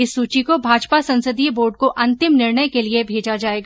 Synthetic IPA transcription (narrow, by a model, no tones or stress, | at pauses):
ɪsːuːt͡ʃikobʱaːd͡ʒpasɐ̃nsəd̪iboːɾɖ̚koʔɐ̃nt̪ɪmnɪɾɳəjkeliebʱeːd͡ʒad͡ʒaːeːɡaː